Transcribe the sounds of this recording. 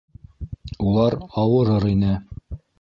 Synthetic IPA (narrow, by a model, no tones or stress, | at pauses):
ulˠɑɾɑwɤ̆ɾɤɾinɘ